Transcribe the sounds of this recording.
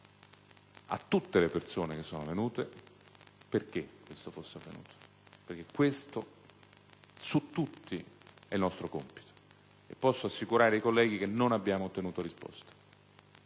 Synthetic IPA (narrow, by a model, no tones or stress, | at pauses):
a̰t̪ːut̪ːelepersoːnek̟esːoːnovenuːt̪e | perk̟ekːwest̪ofosːeavḛnṵːt̪ʰo̥ | perk̟ekːwest̪o | sut̪ːut̪ːiɛilnɔst̪ɾokompi̥t̪o̥ | epːɔsːoasːikuɾaːɾeajkolːɛːɡik̟enːonabːjaːmot̪ːenuːt̪oɾispɔ̰st̪ḁ